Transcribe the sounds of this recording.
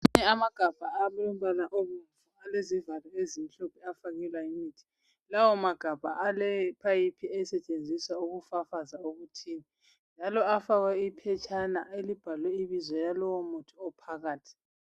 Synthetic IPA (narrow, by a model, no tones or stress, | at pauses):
uɲɛamaɡ̥ʱab̥ʱaaβɛlɔm̩ɓanaʔoβuɱfualezivalwɛezim̩ɬɔpʰɛafaɣɛlwaimiːtʰi̥ | lawɔmaɡ̥ʱab̥ʱaʔalɛpʰajipʰiɛsɛt͡ʃʼend͡zʱisauɣufafazaoɣutʰiːni | nd͡ʒʱalɔafaɣwɛipʰɛt͡ʃʰʼanaʔelib̥ʱalwɛiβizɔjalɔwɔmutʰiɔpʰaɣaːtʰi̥